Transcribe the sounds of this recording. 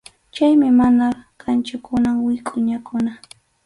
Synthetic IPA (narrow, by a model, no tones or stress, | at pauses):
t͡ʃajmɪmanakʰant͡ʃʊkʊnaŋwɪkʼʊɲakʊna